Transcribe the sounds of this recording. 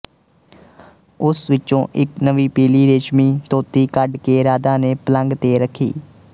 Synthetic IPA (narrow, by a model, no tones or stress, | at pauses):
ʊsʋɪt͡ʃõːʔɪknəʋiːpiːliːɾeːt͡ʃmiːt̪oːt̪iːkəɖkeːɾaːd̪ãːneːpələŋɡt̪eːɾəkʰːḭː